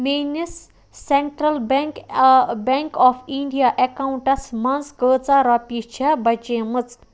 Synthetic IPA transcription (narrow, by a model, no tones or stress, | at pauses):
menisː | eɳʈɾɐlbkbeŋkɔpʰiɳɖijaʔekawɳʈɐsmɐnsɡəːt͡saɾɐpit͡ʃʰɐbɐt͡ʃeːmɨt͡s